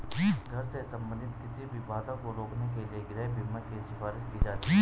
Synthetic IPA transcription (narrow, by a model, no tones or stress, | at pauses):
ɡʱɐɾsesɐ̃mbə̃nd̪ʱɪt̪kɪsibʱibaːd̪ãkoɾoːknekelieɡɾɛːɦbʱimːəkeʃɪfaːɾɪʃkid͡ʒaːt̪ː